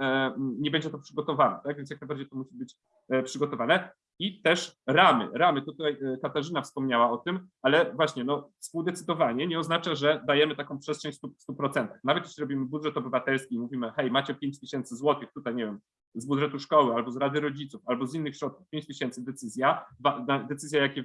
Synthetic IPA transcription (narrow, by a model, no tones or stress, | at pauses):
ɲɛbɛɲd͡ʑɛt̪ɔpʂɘɡɔt̪ɔvanɛ̰t̪akvʲɛnsjaknajbaɾd͡ʑejt̪ɔmuɕibɘt͡ɕ | pʂɘɡɔt̪ɔvanɛ | it̪ɛʂɾamɘ̰ɾamɘt̪ɔt̪ut̪ajkat̪aʐɘnafspɔmɲawaɔt̪ɘmalɛvwaɕɲɛnɔfspuwd̪ɛt̪sɘd̪ɔvaɲɛɲɛɔznat͡ʂaʐɛd̪ajɛmɘt̪akɔ̃w̃pʂɛstʂɛɲst̪ust̪upɾɔt̪sɛnt̪ḁxnavɛt̪jeɕlʲiɾɔbʲimɘbud̪ʐɛt̪ɔbɘvat̪ɛlskʲimuvʲimɘxɛjmat͡ɕɛpʲjeɲt͡ɕt̪ɘɕɛnt̪sɘzwɔt̪ɘxt̪ut̪ajɲɛvjɛm | zbud̪ʐɛt̪uʂkɔwɘalbɔzɾad̪ɘɾɔd͡ʑit̪sufalbɔzinːɘxɕɾɔt̪̚ku̥fpʲeɲt͡ɕt̪ɘɕɛnt̪sɘd̪ɛt̪sɘzʲjavanad̪ɛt̪sɘzʲjajakʲɛ